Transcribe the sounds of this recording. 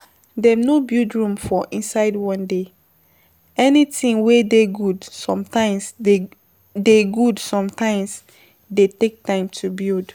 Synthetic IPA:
dɛnobildɹũmfɔʔĩnsaɪdwɔ̃nde | ɛnitĩŋwedeɡudsɔ̃mtãɪ̃mse | deɡudsɔ̃mtʰãɪ̃ms | detek̚tãɪ̃mtʰubild

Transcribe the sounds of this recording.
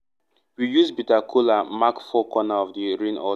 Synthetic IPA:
wijuzbitakʰulamakfɔkɔnaɔvdiɹĩnɔ̰

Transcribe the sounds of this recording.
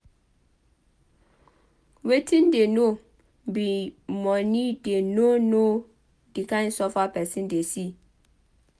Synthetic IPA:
wetʰĩndeno | bimɔ̃nĩdenono | dikãɪ̃nsɔfapɛsĩndesi

